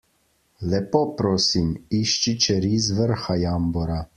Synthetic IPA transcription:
lɛpoːpɾoːsimiʃt͡ʃit͡ʃɛɾizʋəɾxajambɔɾa

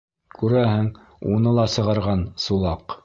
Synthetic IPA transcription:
kʉɾæɦɘŋ | unɤlˠɑsɤ̆ʁɑɾʁɑnsulˠɑq

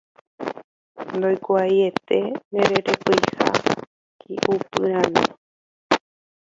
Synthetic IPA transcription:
nd̪ojkoajet̪e̞nẽɾeɾekojha̰ | kʰḭʔupɨɾãnõ̰

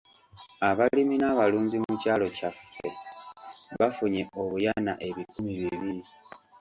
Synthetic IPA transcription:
aβaliminaːβaluːnzimucaːlo̞cafːe̞̰ | βafuɲe̞ʔo̞βujanaʔe̞βikumiβiβiɾi

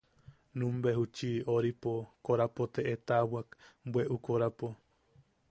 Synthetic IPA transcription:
nũmbeɦut͡ʃioɾipokoɾapot̪eʔet̪awakbweʔukoɾapo

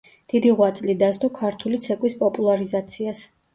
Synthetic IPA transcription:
d̪̥id̪iʁwat̪sʼlid̪ast̪ʼɔkʰaɾt̪ʰulit̪sʰɛkʼwispʼɔpʼulˠaɾizat̪sʰias

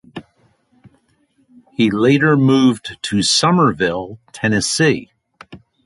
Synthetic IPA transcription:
hileɪɾə˞muvdtʰɨsʌmə˞vɪlˠtʰɛnɨsi

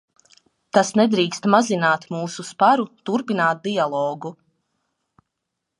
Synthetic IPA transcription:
t̪asnɛd̪ɾiːkst̪mazinaːt̪muːsuspaɾut̪uɾpinaːt̪̚d̪ialˠɔːɡu

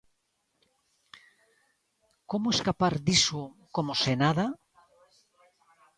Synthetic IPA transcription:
komoeskapaɾd̪isokomosenaða

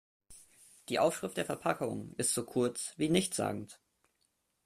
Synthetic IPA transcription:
d̥iːʔaʊfʃʁ̥ɪftd̥eːɐfɛɐpʰakʊ̰ŋʔɪstz̥oːkʰʊɐt͡sv̥iːnɪçtz̥a̰ːɡŋ̩t

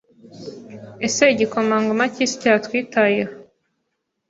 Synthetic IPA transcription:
eseɟikomaːŋɡumacisi̥caːtwiːtajeho

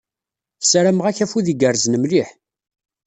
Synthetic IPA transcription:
θsɾæməʁæçæfuðiɡəɾznəmliħ

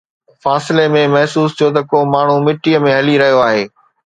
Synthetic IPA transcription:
faːsɪlemẽmɐɦsuːst̪ʰijot̪ɐkoːmaːɳ̤umɪʈijəmẽɦɐliɾɐɦijoaːɦeː

